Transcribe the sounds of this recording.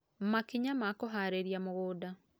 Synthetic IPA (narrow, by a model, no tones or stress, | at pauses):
makiɲamakoɦaːɾeɾjamoɣoːda